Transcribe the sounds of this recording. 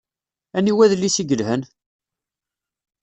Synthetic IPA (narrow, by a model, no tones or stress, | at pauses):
æniwæðlːisiɡəlhən